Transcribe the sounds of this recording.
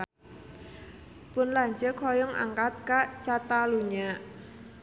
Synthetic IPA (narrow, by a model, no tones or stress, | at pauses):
pʊnlaɲt͡ʃəkʰɔjʊŋʔa̰ŋkat̪̚kaʔt͡ʃat̪aluɲaʔ